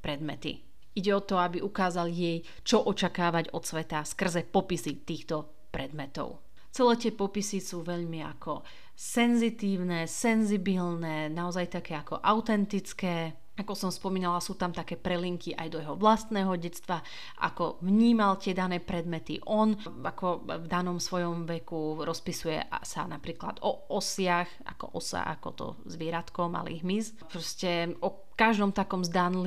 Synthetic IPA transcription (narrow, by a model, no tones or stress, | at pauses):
pɾɛd̪mɛt̪ḭ | iɟɛɔt̪ɔabiʔukaːzaljɛj | t͡ʃɔʔɔt͡ʃakaːʋaɟɔt̪sʋɛt̪askr̩zɛpɔpisit̪iːxt̪ɔ | pɾɛd̪mɛt̪ɔ̰ʊ | t͡sɛlɛːt̪ɪɛpɔpisisuːʋɛʎmia̰kʰɔ̰ | sɛnzit̪iːʊnɛsɛnzibilnɛːnaɔzajt̪akɛːakɔ̰ʔaʊt̪ɛnt̪it͡skɛː | akɔsɔmspɔmiːnalasuːt̪amt̪akɛːpɾɛliŋkiʔa̰jd̪ɔjɛɦɔʋlast̪nɛːɦɔɟɛt͡st̪ʋa | ʔa̰kɔvɲiːmalt̪ɪɛd̪anɛːpɾɛd̪mɛt̪ḭʔɔn | akɔvd̪anɔmsʋɔjɔmʋɛkuɾɔspisujɛ̰sa̰napɾiːkla̰d̪ɔɔsɪaxa̰kɔ̰ʔɔsa̰ʔa̰kɔ̰t̪ɔ̰ | zʋɛɾat̪kɔma̰lḭɣɦmiz | pɾɔscɛʔɔ | kaʒd̪ɔmt̪akɔmzd̪anl